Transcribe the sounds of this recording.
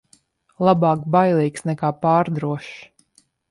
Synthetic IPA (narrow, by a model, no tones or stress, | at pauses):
lˠabɑːkbajlˠiːksnɛkaːpaːɾd̪ɾuɔʃ